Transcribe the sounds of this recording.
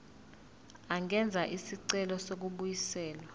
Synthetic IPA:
aŋʱɛnd͡zʱaʔisiǀɛlɔsok̬uɓujisɛːlwa

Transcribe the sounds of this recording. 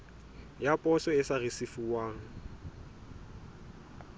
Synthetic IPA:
japʼɔsɔɪsarɪsɪfuwaːŋ̩

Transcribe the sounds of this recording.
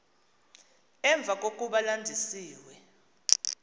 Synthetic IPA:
ɛɱb̪vʱak̬ʼok̬ʼuɓalandʱisiːwɛ

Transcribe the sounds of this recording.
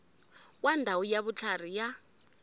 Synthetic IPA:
kwandʱawujaβut͡ɬʰar̤ija

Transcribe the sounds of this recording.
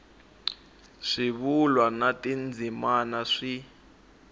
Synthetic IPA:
ʂiβulwanatind͡zʱimanaʂi

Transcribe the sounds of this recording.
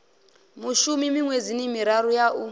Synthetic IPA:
muʃumimiŋwed͡zinimiɾaɾujaʔu

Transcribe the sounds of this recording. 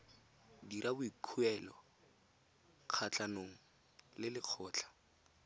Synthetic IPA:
diɾʔabʊikʰuɛlɔ | q͡χʰat͡ɬʼanoŋ̩ | lɪlɪq͡χʰɔːt͡ɬʰḁ

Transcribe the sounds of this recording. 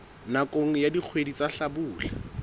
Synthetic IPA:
nakʼoŋ̩jadik͡xʰwedit͡saɬabuːla

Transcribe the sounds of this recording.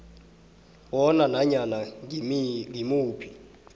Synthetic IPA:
wɔnanaɲana | ŋɡimuːpʰi̥

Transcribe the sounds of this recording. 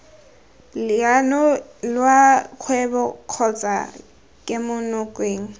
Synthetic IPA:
lɪanɔlwakʰwɛbɔkʰɔt͡sʼa̰ | kʼɪmʊnʊkʼweːŋ̩

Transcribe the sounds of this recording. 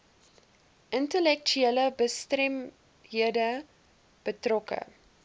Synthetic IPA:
ʔəntəlɛk̚t͡ʃyeləbəstrɛm | ɦiədə | b̥ətrɔkə̰

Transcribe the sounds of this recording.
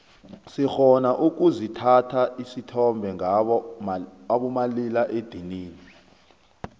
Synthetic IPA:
sixɔnaʔuk̬ʼuzitʰatʰaisitʰɔmbʱɛŋaɓɔ | aɓɔmalilaʔed̥ʱiniːni

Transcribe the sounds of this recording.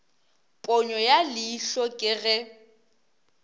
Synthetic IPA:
pʼɔɲɔjalɪːɬɔkʼɪɣɛ

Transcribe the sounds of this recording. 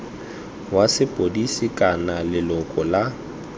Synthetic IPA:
wasɪpʼodisikʼanalɪlɔkʼɔla

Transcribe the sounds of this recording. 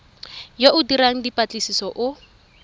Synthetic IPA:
joʔʊdiɾaŋ̩dipʼat͡ɬʼɪsisɔʔʊ

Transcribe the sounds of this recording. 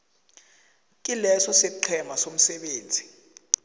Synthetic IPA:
kʼilɛsɔsɛǃʰɛmasom̩sɛɓeːnd͡zʱi

